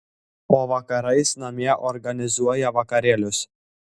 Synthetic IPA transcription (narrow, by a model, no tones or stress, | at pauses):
oːʋɐkɐɾɐɪsnɐmʲiɛʔɔɾɡɐnʲɪzuɔjɛʋɐkɐɾʲeːlʲʊs